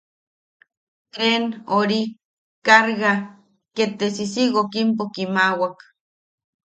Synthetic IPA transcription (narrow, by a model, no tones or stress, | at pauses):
t̪enoɾi | kaɾɣa | ket̪esisiɣokimpokimawak